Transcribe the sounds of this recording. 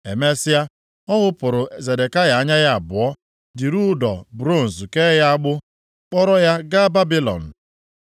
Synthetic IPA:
e˨me˦sɪ˦a˦ | ɔ˦ɦʊ˦pʊ˨ɾʊ˨ze˨de˨ka˦ɣa˨a˨ɲa˦ja˦a˨bʊ˨ɔ˦ | dɪ˨ɾu˦dɔ̰˨bɾo˦˨n̩˨zke˦ja˦a˦ɡ͡bʊ˦ | k͡pɔ˦ɾɔ˦ja˦ɡa˦ba˦bi˦lɔ̰˨n̩˨

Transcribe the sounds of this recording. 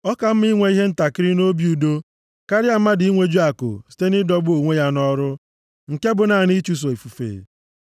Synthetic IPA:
ɔ˦ka˨m̩˦mi˦ŋʷe˨˦i˦ɦe˦n̩˦ta˨kɪ˦ɾɪ˦no˦bju˨do˦ | ka˦ɾɪ˦a˨m̩˦ma˦dɪ˨i˦ŋʷe˦d͡ʒu˦a˨kʊ̰˨si̥˦te˦nɪ˦dɔ˦bʊ˦o˨ŋʷe˦ja˦nɔ˦ɾʊ˦ | ŋ̩˨ke˦bʊ˨na˨ni˦t͡ʃu˦s̬o˨i˨fu˨fḛ˨

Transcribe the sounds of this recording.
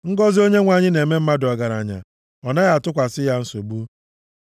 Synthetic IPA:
ŋ̩˦ɡɔ˦zi˦o˦ɲe˦ŋʷa˨ɲɪ˦ne˨me˦m̩˦ma˦dɔ˨ɡa˨ɾa̰˨ɲa̰˨ | ɔ˨na˦ja˨tʊ˦kʷa˨sɪ˦ja˦n̩˦so˨ɡ͡bu˦

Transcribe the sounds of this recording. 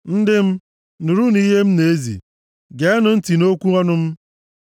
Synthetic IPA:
n̩˦dɪ˦m̩˦ | nu˨ɾu˦ni˦ɦe˦m̩˦ne˨˦zḭ˨ | ɡe˨a˦nʊ˦n̩˦ti˨no˦kʷu˦ɔ˦nʊ˦m̩˦

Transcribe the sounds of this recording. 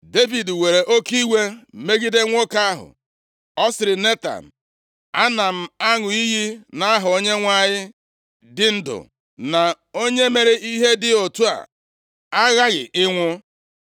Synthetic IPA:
de˦vi˨dwe˨ɾe˨ʔo˦ki˦we˦me˦ɡi˦de˦ŋʷo˦ka˦a˦ɦʊ̰˨ | ɔ˦sɪ˨ɾɪ˨ne˦ta̰˨n̩˨ | a˦na˨m̩˦a˦ŋʊ˨i˦ɦi˦na˨a˦ɦʊ˨o˦ɲe˦ŋʷa˦ɲɪ˦ | dɪ˨n̩˦dʊ̰˨ | na˨ | o˦ɲe˦me˨ɾe˦i˦ɦe˦dɪ˦o˨tu˦a̰˨ | a˦ɣa˦ɣɪ̰˨ʔɪ˦ŋʷʊ˦

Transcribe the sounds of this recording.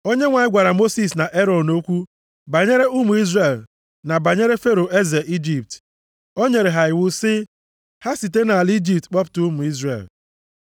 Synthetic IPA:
o˦ɲe˦ŋʷa˨ɲɪ˦ɡʷa˨ɾa˨mo˦si˨s̬na˨ʔe˦ɾɔ˨nno˦kʷu˦ | ba˨ɲe˦ɾe˦ʔu˦mu˨i˦zre˨l | na˨ba˨ɲe˦ɾe˦fe˦ɾo˨e˦ze˨ʔi˦d͡ʒi˨p̚t | o˦ɲe˨ɾe˨ɦa˨ɪ˨wʊ˦sɪ˦ | ha˦si˨te˦na˨a˨li˦d͡ʒi˨p̚tk͡pɔ˦ptu˦mʊ˨i˦zre˨l

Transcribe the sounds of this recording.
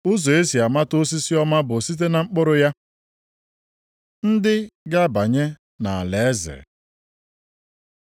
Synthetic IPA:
ʊ˦zo˨e˦si˨a˨ma˦tʊ˦s̬i˦si˦ɔ˦ma˦bʊ˨si˦t̬e˦na˨ŋ͡m̩˦k͡pʊ˦ɾʊ˨ja˦ | n̩˦dɪ˦ɡa˦ba˨ɲe˦ | na˨a˨le˨˦zḛ˨

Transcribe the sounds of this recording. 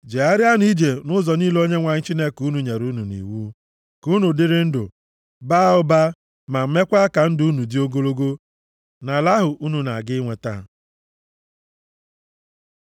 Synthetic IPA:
d͡ʒe˨a˦ɾɪ˦a˦ni˦d͡ʒe˨nʊ˦zɔ˨ni˦lo˦ɲe˦ŋʷa˨ɲɪ˦t͡ʃi˦ne˦ku˦nu˨ɲe˨ɾu˦nu˨nḭ˨wu˦ | ku˦nu˨dɪ˦ɾɪ˦n̩˦dʊ̰˨ | ba˦ʊ˦ba˦ | ma˨m̩˦me˦kʷa˦ka˨n̩˦dʊ˨˦u˦nu˨di˦o˦ɡo˦lo˦ɡo˦ | na˨la˦ɦʊ˨ʔu˦nu˨na˨ɡɪ˦ŋʷe˨ta̰˦

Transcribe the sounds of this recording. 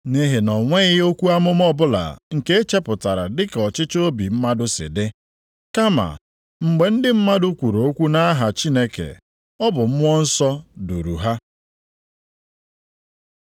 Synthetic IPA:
ne˦ɦe˨nɔ˨ŋʷe˦ɣɪ˦o˦kʷu˦a˦mʊ˦mɔ˦bʊ˦la̰˨ŋ̩˨ke˦e˦t͡ʃe˦pʊ˨ta˨ɾa̰˨dɪ˦kɔ˨t͡ʃɪ˦t͡ʃo˦bi˨m̩˦ma˦dʊ˦sɪ̰˨dɪ˦ | ka˦ma̰˨ | ŋ͡m̩˨ɡ͡be˨n̩˦dɪ˦m̩˦ma˦dʊ˦kʷu˨ɾo˨o˦kʷu˦na˦ɦa˨t͡ʃi˦ne˦kḛ˨ | ɔ˦bʊ˨m̩˦m˦ɔ˦n̩˦sɔ˦dṵ˨ɾṵ˨ɦa˦

